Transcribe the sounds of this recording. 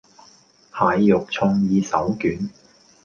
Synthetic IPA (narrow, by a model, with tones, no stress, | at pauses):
haː˨jːʊ˨k̚t͡sʰʊ˧ŋjiː˧sɐ˨˥wkyː˨˥n